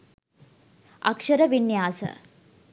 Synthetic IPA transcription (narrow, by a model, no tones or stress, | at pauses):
ɐ̰kʂɐɾəʋinjaːsə̰